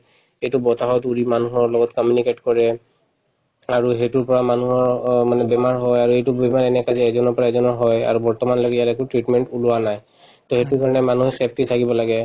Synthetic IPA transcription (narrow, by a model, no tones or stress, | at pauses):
ejtubɔtaɦɔjtuɹimanuɦɔɹlɔɡɔtkɔmjuniketkɔɹɛ | aɹuɦetuɹpɔɹamanuɦɔɹmanɛbɛmaɹɦɔjaɹuejtubɛmaɹɛnɛkazɛɛzɔnɔɹpɔɹaɛzɔnɔɹɦɔja̰ɹubɔɹtɔmanloɡjatɛkutɹitmɛntulʊanaj | tɔhejtuɹkaɹɔnɛmanuɦɛsep̚ʰtitʰakibɔlaɡɛ